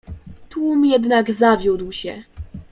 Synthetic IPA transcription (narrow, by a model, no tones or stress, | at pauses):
t̪wumjɛd̪naɡzavʲjud̪wɕɛ̰